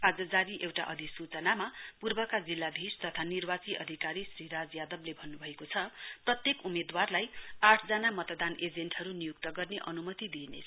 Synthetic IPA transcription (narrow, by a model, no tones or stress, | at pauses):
ad͡zʌd͡zaɾiʔewʈa̰ʔʌd̪ʱisut͡sʌnamapurbʌkad͡zilːab̪ʱist̪ʌt̪ʰanirbat͡siʔʌ̰d̪ʱikaɾisriɾad͡zjad̪ʌblebʱʌnːubʱʌekot͡sʰʌprʌt̪jekumed̪warlajaʈʰd͡zʌnamʌt̪d̪aned͡zenʈʌɾunijuk̚t̪ʌɡʌrneʔʌ̰numʌt̪id̪inḛ